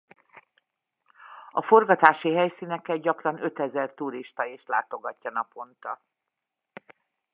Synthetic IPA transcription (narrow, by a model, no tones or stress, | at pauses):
ɒfo̞rɡɒt̪aːʃiɦɛjsiːnɛkːɛɟɒkrɒnø̞t̪ɛzɛrt̪uːɾiʃt̪ɒeːʃlaːt̪o̞ɡɒcːɒnɒpo̞nt̪ɒ